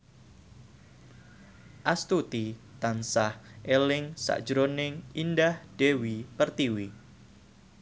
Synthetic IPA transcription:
ʔast̪ut̪it̪ansahʔelɪŋsa̰ʔd̥ʒ̥ɾonɪŋindahd̥ewipərt̪iwi

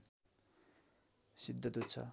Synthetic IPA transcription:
sid̪ʱːʌt̪ut̪t͡sʰʌ̰

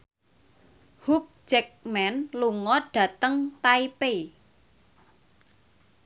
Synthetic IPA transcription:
huk̚d͡ʒ̥ɛk̚mɛnluŋɔɖ̥ä̤t̪əŋt̪aipe

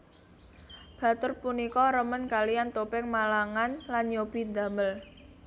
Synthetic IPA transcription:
b̥ä̤t̪ʊrpunikɔɾəmənkaliant̪opɪŋmalaŋanlanjob̥i̤nd̪a̤məl

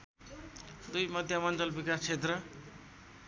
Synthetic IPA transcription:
d̪ujmʌd̪ʱjamʌnd͡zʌlbikast͡sʰet̪rʌ

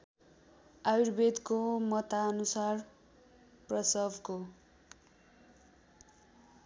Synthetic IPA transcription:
airbed̪komʌt̪aʌnusar | prʌsʌbʱko

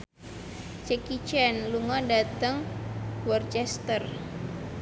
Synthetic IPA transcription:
t͡ʃɛkit͡ʃɛnluŋɔdat̪əŋwɔrt͡ʃɛst̪ər

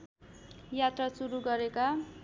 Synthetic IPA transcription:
jat̪rasuɾuɡʌɾeka

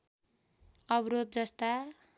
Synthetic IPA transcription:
ʌbɾod̪̚d͡zʌst̪a

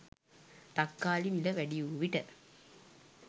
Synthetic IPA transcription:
t̪ɐkːaːlimilɐʋæɖijuʋiʈə

